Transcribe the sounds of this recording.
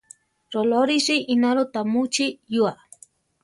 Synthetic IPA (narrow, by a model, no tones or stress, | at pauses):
ɾoloɾisiʔinaɾot̪amut͡ʃijua